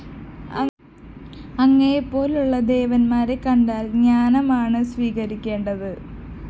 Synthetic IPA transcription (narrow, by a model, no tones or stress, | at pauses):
ɐŋːɐjepːo̞ːluɭːɐd̪e̞ːʋɐnmaːɾekɐɳɖaːlɲaːnɐmaːɳɨsʋiːɣɐɾikʲːe̞ːɳɖɐðɨ